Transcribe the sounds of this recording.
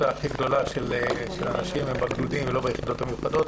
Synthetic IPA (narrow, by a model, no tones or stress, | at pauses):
aːχiɡd̪o̞laʃeleʃelanaʃimhembaɡdud̪imvelobajeχid̪o̞t̪amiχad̪o̞t̪